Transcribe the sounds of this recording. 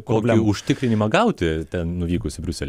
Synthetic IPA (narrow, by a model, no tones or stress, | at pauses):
koːkʲɪʊʃʲt̪ʲɪkɾʲɪnʲɪmɐɡɐʊt̪ʲɪt̪ʲɛnnʊʋʲiːkʊsʲɪbʲɾʲʊsʲɛlʲɛ